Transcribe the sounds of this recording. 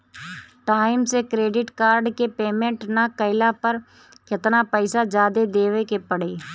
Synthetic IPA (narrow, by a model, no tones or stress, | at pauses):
ʈaːɪmsekɾeːɖɪʈkaːɾɖkepeːmẽɳʈnakəɪlapɐɾ | kɪt̪napəɪsad͡ʒaːd̪ed̪eːʋekepɐɽ̤eː